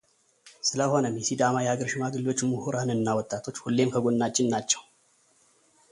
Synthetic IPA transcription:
sɨləho̞nəmjɛsid̪amajɛaɡəɾʃɪmaɡɨlo̞t͡ʃːmuhuɾanɨnːawɔt̪ʼːat̪ʰo̞t͡ʃːhulːe̞mkʰəɡonːat͡ʃʼːɪnnat͡ʃːɛw

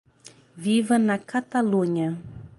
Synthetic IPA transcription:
vivənakat̪aluɲa

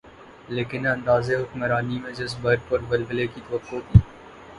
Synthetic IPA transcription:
leːkɪnɐ̃nd̪aːzeɦʊkmɾaːnimẽd͡ʒɪs̬bɐɾ̚pɐɾbɐlbəlekit̪ɐʋəqːok̪ʰiː

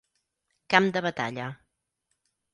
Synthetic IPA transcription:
kamd̪əβət̪a̰ʎə

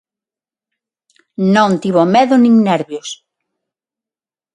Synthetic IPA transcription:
nõŋt̪iβomeðʊnĩŋnɛɾβjos

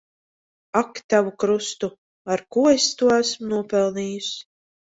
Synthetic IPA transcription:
akt̪avukɾust̪u | aɾkuːest̪uɔæsmunuɔpɛlˠniːjus

